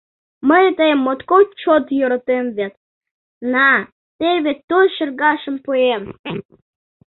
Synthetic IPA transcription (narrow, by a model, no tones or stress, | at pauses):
məjt̪əjmːot̪kot͡ɕot̪joɾot̪emvʲet̪ | nɑ | t̪eβʲet̪ot̪ʃərɡɑʃə̆mpuem